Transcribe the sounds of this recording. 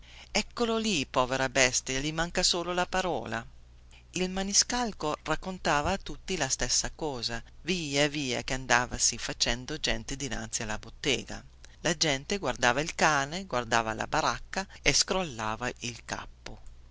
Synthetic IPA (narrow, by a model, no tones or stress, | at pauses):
ɛkːololipɔːveɾabɛst̪alimaŋkasoːlolapaɾɔ̰ːla | ilmaniskalkorakːont̪aːvaːt̪ːut̪ːilast̪ɛsːakɔːzaviːaviːa̰k̟eand̪aːvasifat͡ʃɛnd̪od͡ʒɛnt̪ed̪ina̰nt̪sialːabot̪ːɛːɡa̰ | lad͡ʒɛnt̪eɡward̪aːvailkaːneɡward̪aːva̰la̰baɾakːaeskɾolːaːvailka̰pːo